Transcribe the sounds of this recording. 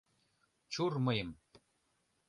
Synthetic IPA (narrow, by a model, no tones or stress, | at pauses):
t͡ɕurmɤjɤm